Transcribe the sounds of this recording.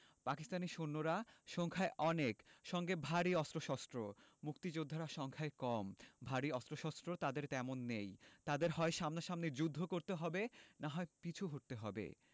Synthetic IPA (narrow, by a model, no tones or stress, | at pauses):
pakist̪aniʃonːoɾaʃɔŋkʰaeʔɔnekʃɔŋɡebʱaɾiɔst̪ɾoʃɔst̪ɾomuk̚t̪id͡ʑod̪ʱːaɾaʃɔŋkʰaekɔmbʱaɾiɔst̪ɾoʃɔst̪ɾot̪ad̪eɾt̪ɛmonːejt̪ad̪eɾɦɔeʃamnaʃamned͡ʑud̪ʱːokoɾt̪eɦɔbenaɦɔepit͡ɕʰuɦoʈ̚t̪eɦɔbḛ